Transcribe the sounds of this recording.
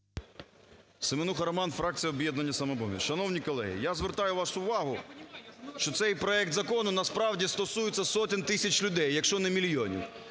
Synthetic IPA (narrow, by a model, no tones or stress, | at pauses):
semenuxɐɾɐmɑnfɾɑk̚t͡sʲijɐɔbʲjɛd̪nɐnʲːɐsɐmɛbɔɦʲḭʃɐnɔwnʲikɔlˠɛ̰ɦɪ̰jazʋeɾt̪ɑjʊʋɑʃʊʊʋɑɦʊ | ʃt͡ʃɔt̪sɛjpɾɔɛk̚t̪zɐkɔnʊnɐspɾɑwdʲist̪ɔsujɪt͡sʲːɐsɔt̪ɪnt̪ɪsʲɐt͡ʃlʲʊd̪ɛjːɐkʃt͡ʃɔnɛmʲilʲjɔnʲḭw